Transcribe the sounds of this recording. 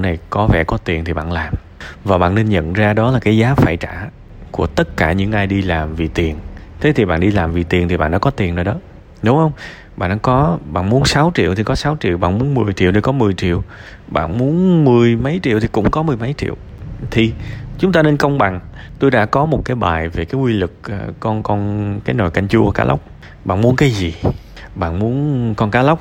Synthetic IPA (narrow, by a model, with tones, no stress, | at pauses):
na˨˩jkɔ˨˦vɛ̰˧˩kɔ˨˦t̪i˨˩ənt̪ʰi˨˩ɓa̰ː˧˨nlaː˨˩m | vaː˨˩ɓa̰ː˧˨ne˧nɲə̰˧˨nzaː˧ɗɔ˨˦laː˨˩kaː˨˦jzaː˨˦faː˧˩jt͡ɕa̰ː˧˩ | ku˧˩ət̪ə˦˥t̚kaː˧˩ɲɨ̰˧˥ŋʔaː˧jɗi˧laː˨˩mvi˨˩t̪i˨˩ənt̪ʰe˨˦t̪i˨˩ɓa̰ː˧˨nɗi˧laː˨˩mvi˨˩t̪i˨˩ənt̪i˨˩ɓa̰ː˧˨nɗa̰ː˧kɔ˨˦t̪i˨˩əno˨˩ɗɔ˨˦ | nu˨˦ŋ͡mhə˧wŋ͡m | ɓa̰ː˧˨nʔkɔ˨˦ɓa̰ː˧˨nmu˨˦ənsa˨˦wt͡ɕḭ˧˨əwt̪ʰi˨˩kɔ˨˦sa˨˦wt͡ɕḭ˧˨əwɓa̰ː˧˨nmu˨˦ənmɨ˨˩əjt͡ɕḭ˧˨wnʰi˨˩kɔ˨˦mɨ˨˩əjt͡ɕḭ˧˨əw | ɓa̰ː˧˨nmu˨˦ənmɨ˨˩əjmə˨˦jt͡ɕḭ˧˨əwt̪ʰi˨˩kʊ̰˧˥ŋ͡mkɔ˨˦mɨ˨˩əjmə˨˦jt͡ɕḭ˧˨əwt̪ʰi˨˩t͡ɕʊ˨˦ŋ͡mt̪aː˧ne˧nkə˧wŋ͡mɓa̰˨˩ŋt̪o˧jɗa̰ː˧˥kɔ˨˦mo˨˩t̚kaː˨˦jɓa̰ː˨˩jve˨˩kaː˨˦jwi˧lɨ˨˩k̚ːkɔ˧nkɔ˧nkaː˨˦jno˨˩jka˧jŋt͡ɕu˧˨˩kaː˧˦lə̰˦˥wk͡p̚ | ɓa̰ː˧˨nmu˨˦nkaː˨˦jzi˨˩ | ɓa̰ː˧˨nmu˨˦ənkɔ˧nkaː˨˦lə˦˥wk͡p̚